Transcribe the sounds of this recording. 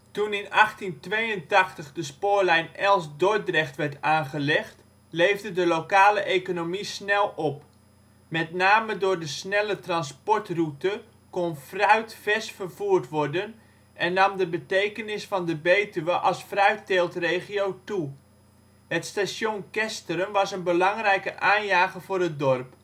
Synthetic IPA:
tunɪnɑχtintʋejəntɑxtəχdəspʊːɹlɛjnɛlˠsdoj̚drɛxtʋɛɹtaːnχəlɛxt | lejvdədəlokaːləʔekonomisnɛlˠɔp | mɛtnaːmədʊːɹdəsnɛlətrɑnspɔɹtrutə | konfrœɥtfɛsfərv̥uːrtʋɔrdən | ʔɛnːɑmdəbətejkənɪsfɑndəbejtyʋəʔɑlˠsfrœɥtteːlˠtrejχiowtu | hətstasjonkɛstərəmʋɑsənbəlɑŋrɛjkəʔaːnjaːχəvʊːɾət̚dɔrp

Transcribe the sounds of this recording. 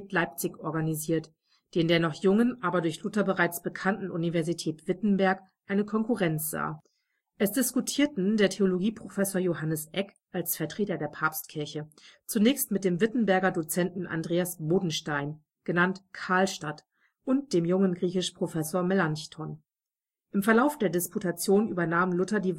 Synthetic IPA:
tlaɪp̚t͡sɪçʔɔɐɡaniziːɐt | d̥eːndeːɐnɔχjʊŋənʔaːbɐdʊɐçlʊtɐbəʁaɪt͡sb̥əkʰantn̩ʔunivɛɐzitʰɛːtv̥ɪtn̩bɛɐk | ʔaɪnəkʰɔnkuʁɛnt͡sz̥a̰ː | ʔɛsd̥ɪskutʰiːɐtn̩deːɐtʰeoloɡiːpʁ̥ofɛsoːɐjoɦanəsʔɛk | ʔalsfɛɐtʁ̥eːtɐdeːɐpʰaɐpstkʰɪɐçət͡sunɛːçstmɪt̚d̥eːmvɪtn̩bɛɐɡɐdot͡sɛntn̩ʔa̰ndʁeːasboːdn̩ʃtaɪn | ɡ̥ənantkʰaːlʃtat | ʔʊnt̚d̥eːmjʊŋənɡʁiːçɪʃpʁ̥ofɛsoːɐmɛlançtʰɔn | ʔɪmfɛɐlaʊfd̥eːɐdɪsputʰat͡sjoːnʔyːbɐnaːmlʊtɐdiː

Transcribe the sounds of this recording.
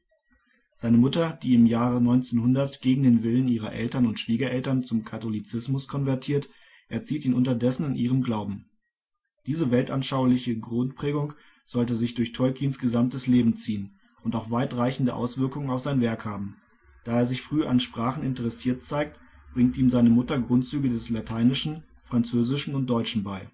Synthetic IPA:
z̥aɪnəmʊtɐd̥iːɪmjaːʁənɔʏnt͡senhʊndɐtɡ̥eːɡŋ̩deːnvɪləniːʁɐ̰ʔɛ̰ltɐnʊntʃv̥iːɡɐʔɛltɐnt͡sʊmkʰatolit͡sɪsmʊskʰɔnvɛɐtʰiːɐt | ʔɛɐt͡siːtiːnʔʊntɐdɛsn̩ɪnʔiːʁəmɡlaʊbm̩ | d̥iːzəvɛltʔanʃaʊɐlɪçəɡʁʊntpʁ̥ɛːɡʊŋ | z̥ɔltəzɪçd̥ʊɐçtʰɔʏkʰiːnsɡ̥əzamtəsleːbm̩t͡siːən | ʔʊntaʊxv̥aɪtʁaɪçn̩dəʔa̰ʊsv̥ɪɐkʊŋənaʊfz̥aɪnvɛɐkhaːbm̩ | d̥aːeːɐzɪçfʁ̥yːɐʔanʃpʁ̥aːχn̩ɪntəʁɛsiːɐtt͡saɪk̚t | b̥ʁɪŋtʔiːmzaɪnəmʊtɐɡʁʊntt͡syːɡədɛslatʰaɪnɪʃn̩ | fʁ̥ant͡søːzɪʃn̩ʊnt̚d̥ɔʏt͡ʃn̩baɪ

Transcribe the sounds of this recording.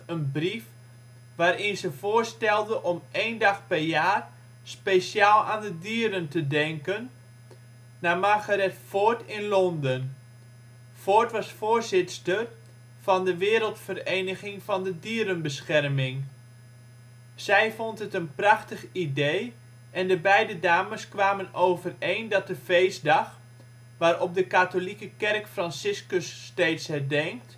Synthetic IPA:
ənbrif | ʋaːɾɪnzəvoːrstɛlˠdəʔɔmeːndɑxpɛrjaːr | spesjaːlˠaːndədiːɾəntədɛŋkən | amaːɣarɛtfotɪnlɔndən | fotʋɑsfoːrzɪtstər | vɑndəʋɪːɾəlˠtfərejnəχɪŋvɑndədiːɾənbəsχɛrmɪŋ | z̥ɛjvɔntɦətənprɑχtəχidej | ʔɛndəbɛjdədaːməskʋaːmənowvərejndɑt̚dəvejsdɑχ | ʋaːɾɔp̚dəkatolikəkɛrkfrɑnsɪskəsːtejtshɛdɛŋk̚t

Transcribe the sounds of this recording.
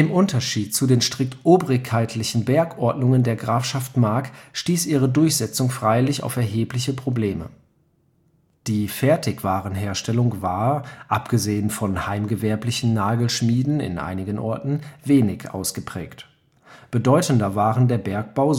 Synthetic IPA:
ʔɪmʔʊntɐʃiːt̚t͡sudeːnʃtʁ̥ɪk̚tʔoːbʁɪkhaɪtʰlɪçn̩bɛɐkʔɔɐdnʊŋəndeːɐɡʁaːfʃaftmaɐkʃtiːsʔiːʁədʊɐçz̥ɛt͡sʊŋfʁ̥aɪlɪça̰ʊfɛɐɦeːplɪçəpʁ̥obleːmə̰ | d̥iːfɛɐtʰɪçv̥aːʁənɦeːɐʃtɛlʊŋvaːɐʔapɡ̥əzeːənfɔnhaɪmɡəvɛɐplɪçn̩naːɡl̩ʃmiːdn̩ɪ̰nʔa̰ɪnɪɡənʔɔ̰ɐtn̩veːnɪçʔa̰ʊsɡ̥əpʁ̥ɛ̰ːkt | b̥ədɔʏtn̩dɐvaːʁəndeːɐbɛɐk̚b̥aʊ

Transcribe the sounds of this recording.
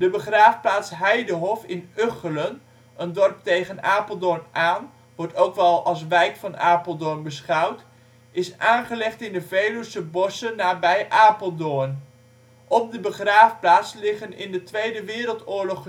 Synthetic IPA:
dəbəχraːfplaːtsɦɛjdəɦɔfɪnøχələn | ʔəndɔrp̚tejχənaːpəl̩ˠdɔrmʔaːn | ʋɔɹtowkʋɛlˠɑlˠs̬ʋɛjkfɑnaːpəlˠdʊɹnbəsχɑwt | ɪsaːnχəlɛχtɪndəvejlusəbɔsənːaːbɛjʔaːpəlˠdʊːn | ʔɔp̚dəbəχraːfplaːtslɪχənɪ̰ndətʋejdəʋɪːɾəlˠtʊːɹlɔχ

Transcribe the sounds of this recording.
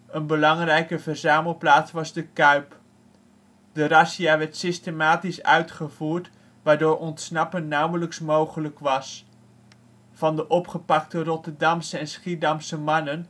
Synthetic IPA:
ənbəlɑŋrɛjkəvərzaːməlˠplaːtsʋɑzdəkœɥp | dərɑsiaːʋɛɹtsɪstemaːtisœ̰ɥtχəvuːɹt | ʋaːɹdʊːɹʔɔntsnɑpənːawələksmowχələkʋɑs | v̥ɑndəʔɔpχəpɑktərɔtəɹdɑmsəɛnsχidɑmsəmɑnən

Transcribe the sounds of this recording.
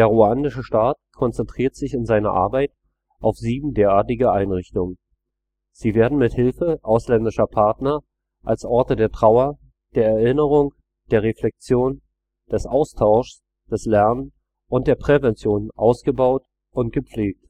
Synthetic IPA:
d̥eːɐʁuaːnɪʃəʃtaːt̚kʰɔnt͡sɛntʁ̥iːɐtz̥ɪçɪnzaɪnɐ̰ʔa̰ɐbaɪt | ʔaʊfz̥iːbm̩deːɐaːɐtɪɡəʔaɪnʁɪçtʊŋən | z̥iːveːɐdn̩mɪthɪlfəʔaʊslɛndɪʃɐpʰaɐtnɐ | ʔalsʔɔɐtədeːɐtʁ̥aʊɐ | d̥eːɐɛɐɪnəʁ̞ʊŋ | d̥eːɐʁeflɛk̚t͡sjoːn | d̥ɛsʔaʊstʰaʊʃs | d̥ɛslɛɐnən | ʔʊnt̚d̥eːɐpʁ̥evɛnt͡sjoːnʔa̰ʊsɡ̥əbaʊt | ʔʊnt̚ɡ̥əpp͡fleːk̚t

